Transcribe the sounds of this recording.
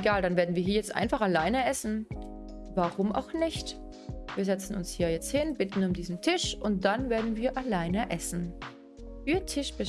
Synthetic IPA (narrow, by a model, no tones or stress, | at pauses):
ɡaːldanveːɐdn̩viːɐɦiːɐjɛt͡stʔa̰ɪnfaχalaɪnəʔɛsn̩ | vaʁʊmʔa̰ʊxnɪçt | viːɐzɛt͡sn̩ʊ̰nshiːɐjɛt͡sthɪnbɪtn̩ʊmdiːzn̩tʰɪʃʔʊnt̚d̥anveːɐdn̩viːɐʔalaɪnəʔɛsn̩ | fyːɐtʰɪʃb̥ə